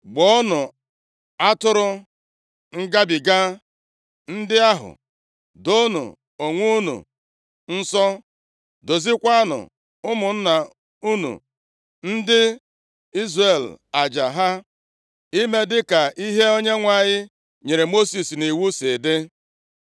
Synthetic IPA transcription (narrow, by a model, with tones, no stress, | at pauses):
ɡ͡bɔ˦nʊ˨ | a˦tʊ˦ɾʊ˦ | ŋ̩˦ɡa˦bi˨ɡa˦ | n̩˦dɪ˦a˦ɦʊ̰˨ | do˦nṵ˨ | o˨ŋʷu˦nṵ˨ | n̩˦sɔ˦ | do˨zi˦kʷa˦nʊ̰˨ | ʊ˦mʊ˨n̩˦na˨ | u˦nṵ˨ | n̩˦dɪ˦ | i˦zre˨la˨d͡ʒa˨ɦa˦ | i˦me˦dɪ˦ka˨ʔi˦ɦe˦o˦ɲe˦ŋʷa˦˨ɲɪ˦ | ɲe˨ɾe˨mo˦si˨sni˨wu˦se˨dɪ˦